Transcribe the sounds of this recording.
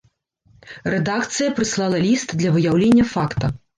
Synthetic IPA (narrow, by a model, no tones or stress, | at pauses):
rɛd̪akt̪sɨjɐpɾɨslˠɑlˠɐlʲist̪d̪lʲɐvɨjawlʲenʲːɐfakt̪ɐ